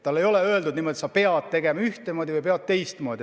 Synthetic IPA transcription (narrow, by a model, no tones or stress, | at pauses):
t̪ɑlːe̞jo̞le̞ø̞eld̪ud̪nimo̞d̪̥ʲisɑpe̞ɑd̪̥t̪e̞ɡe̞mɑyht̪emo̞ːd̪̥ʲivɨjpeɑt̪̚t̪e̞jst̪moːd̪̥ʲi